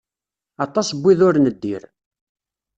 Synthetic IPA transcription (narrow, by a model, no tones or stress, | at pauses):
ɑt̪ˤːɑsəbʷːiðʊɾnəd̪ːḭɾ